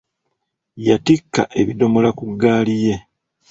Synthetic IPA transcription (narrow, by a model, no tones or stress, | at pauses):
jatikːa̰ʔe̞βido̞molakuɡːaːlije̞